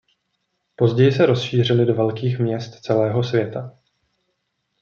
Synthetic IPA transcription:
po̞zɟɛjɪsɛɾo̞sʃiːr̝ɪlɪdovɛlkiːxmɲɛst̪t͡sɛlɛːɦo̞svjɛt̪a

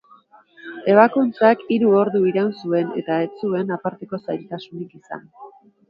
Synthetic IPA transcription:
e̞β̞akunt͡sakiɾuo̞ɾðuiɾawnsue̞ne̞̰t̪ae̞t͡sue̞napaɾt̪e̞ko̞sajlt̪asunikisa̰n

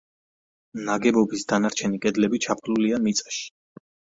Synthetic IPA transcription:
naɡɛbɔbisd̪anaɾt͡ʃʰɛnikʼɛd̪lɛbit͡ʃʰapʰluliamit̪sʼḁʃi̥

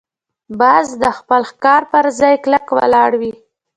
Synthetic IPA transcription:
bɑzd̪əxpəlxkɑɾpəɾzɑjkləkwə̰lɑɽwi

